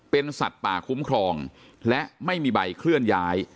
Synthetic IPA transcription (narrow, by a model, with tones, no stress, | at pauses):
pe˧nsa̰˨˩t̪̚paː˨˩kʰu˦˥mkʰɾɔː˧ŋ | lɛ˦˥ʔma˥˩jmiː˧ba˧jkʰlɯ˥˩ənjaː˦˥j